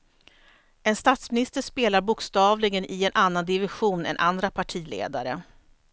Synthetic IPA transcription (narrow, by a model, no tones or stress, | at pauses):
ɛnst̪at̪smɪnɪst̪əʂpeːlaɾbʊkst̪ɑːvlɪɡənʔɪɛnʔanːand̪ɪvɪɧuːnɛ̰nʔa̰nd̪ɾapʰaʈʰiːlḛːd̪aɾə